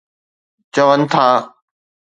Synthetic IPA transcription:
t͡ɕəʋənt̪ʰãː

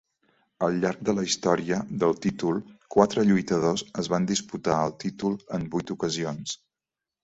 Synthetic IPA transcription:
əlˠʎaɾɡ̚d̪ələist̪ɔɾiəðəlˠt̪it̪ulˠkwat̪ɾəʎujt̪əðozəzβand̪isput̪aəlˠt̪it̪ulˠəmbujt̪ukəzions

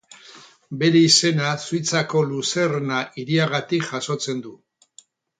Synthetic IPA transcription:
be̞ɾe̞ise̞nasujt͡sako̞luse̞rnaʔiɾiaɣ̞at̪ikʝaso̞t͡se̞nd̪u

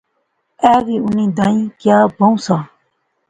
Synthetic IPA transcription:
ɛːɣiːunĩːd̪aĩːkjaːbɐ̃ũsaː

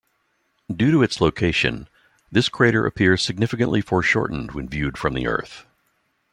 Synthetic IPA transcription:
dʉɾɨɨtsloʊkʰeɪʃɨ̰̃n | ðɪskʰɹ̥eɪɾə̰˞ʔɨ̰pʰɪɹz̥sɨɡ̚nɪfɨkɨ̃nʔlʔifɔɹʃɔ̰ɹʔn̩d̚wɨ̰̃nvjʉd̥fɹʌ̃mðḭʔɜ̰˞θ

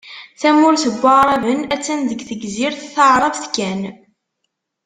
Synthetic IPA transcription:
θæmʊɾθəɡʷːəɾˤɑvənæt͡sːænðəɡθəɡziɾθθəʕɾˤɑvθkːæn

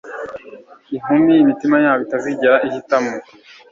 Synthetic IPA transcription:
iɦumimitimaɲaːβitaziɟeɾaʔihitamo

